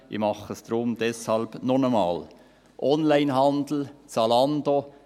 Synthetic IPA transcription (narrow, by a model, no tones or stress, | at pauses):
ɪ̰mɑχəst̪ɾoːmd̪ɛshɑlbnɔɳɔmɑːl | ʔɔnlæɪnhɑnd̪l̩t͡sɑlɑnd̪o